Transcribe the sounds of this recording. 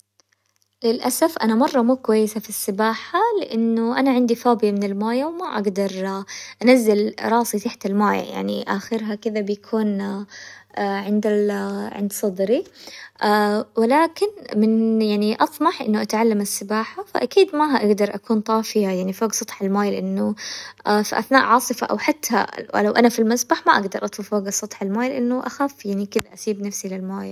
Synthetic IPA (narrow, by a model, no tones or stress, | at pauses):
lɪlʔasafʔanamɑrˤːɑmuːkwajːɪsafisːɪbaːħalɪʔɪnːʊʔanaʕɪnd̪ifaːbjamɪnɪlmaːjawmaʔaɡd̪ɑɾˤʔanazːɪlɾˤɑːsˤit̪aħt̪almaːja̰ja̰ʕnḭʔa̰xɪɾɦakɪðabjakʰuːn | ʕɪnd̪aʕɪ̰nd̪sˤɑd̪ɾiʔawɪlaːkɪnmɪnjaʕniʔɑt̪ˤmɑħʔɪ̰nːʊʔat̪ʕalːamasːɪbaːħafa̰ʔakiːd̪maʔaɡd̪ɑɾˤʔakuːnt̪ˤɑːfɪjajaʕnifoːɡsˤɑt̪ˤħalmaːjlɪʔɪnːʊafiʔaθnaːʔʕɑːsˤɨfa̰ʔa̰wħat̪ːa̰lawʔanafilmazbaħmaʔaɡd̪ɑɾˤʔɑt̪ˤfufoːɡasˤɑt̪ˤħalmaːjlɪʔɪnːʊʔa̰xaːfjaʕnikɪðaʔasiːbnafsilɪlmaːja